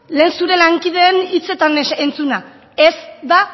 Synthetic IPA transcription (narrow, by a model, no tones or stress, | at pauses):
le̞ːnsuɾe̞laŋkið̞e̞ːnit͡se̞t̪anent͡suna | esd̪a